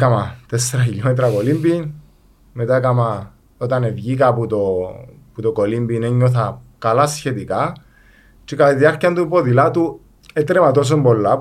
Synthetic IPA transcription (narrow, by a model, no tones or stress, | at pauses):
kamat̪esːeɾɐçilomet̪ɾɐkolimbin | met̪akɐma | ot̪ɐnevʝikɐput̪o | put̪okolimbineɲːoθɐkɐlasçet̪ika | t͡ʃekaðiɐɾciɐnt̪upoðilat̪u | et̪ɾemat̪os̬ombo̞lːa